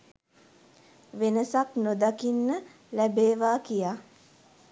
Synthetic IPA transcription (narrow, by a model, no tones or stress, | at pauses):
ʋenəsaknod̪akinːə | læbeːʋaːkijaː